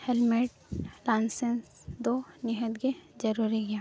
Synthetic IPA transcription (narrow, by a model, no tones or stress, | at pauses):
helmeːʈ̚ | laːnsens | d̪onɪɦəd̪ɡed͡ʒɐɾuːɾiɡia